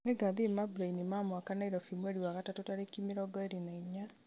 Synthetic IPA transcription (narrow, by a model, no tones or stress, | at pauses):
neɡaðimabɾainimamwakanaiɾɔfimweɾiwaɣatatotaɾekimiɾɔɡɔeɾinaiɲa